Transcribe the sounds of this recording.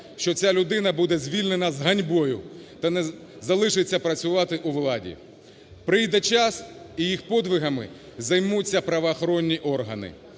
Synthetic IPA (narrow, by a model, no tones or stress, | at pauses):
ʃt͡ʃɔt͡sʲalʲʊd̪ɪnɐbud̪ɛzʲʋʲilʲnenɐzɦɐnʲbɔjʊt̪ɐnɛ | zɐlˠɪʃɪt͡sʲːɐpɾɐt͡sʲʊʋɑt̪ɪʔuʋlˠɑdʲḭ | pɾɪjd̪ɛt͡ʃɑs | ijixpɔd̪ʋɪɦɐmɪ̰ | zɐjmut͡sʲːɐpɾɐʋɐːxɔɾɔnʲːiʔɔrɦɐnɪ̰